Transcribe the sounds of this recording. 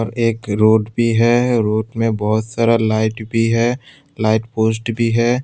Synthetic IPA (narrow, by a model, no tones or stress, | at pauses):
ɔɾeːkɾoːɖbʱiɦɛɾoːɖmẽbɔɦʊt̪saːɾalaːɪʈbʱiɦɛ | laːɪʈpoːsʈbʱiɦɛː